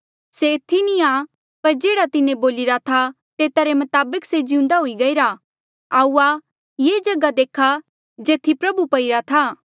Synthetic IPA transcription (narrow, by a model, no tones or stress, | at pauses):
seɪt̪ʰːinĩaː | pɐɾd͡ʒeːɽat̪ɪnẽboːlɪɾat̪ʰa | t̪eːt̪aɾemɐt̪aːbəksed͡ʒɪʊ̃nd̪aɦuiɡɐiɾa | aːua | jeːd͡ʒɐɡad̪eːkʰa | d͡ʒeːt̪ʰːipɾɐbupɐiɾat̪ʰaː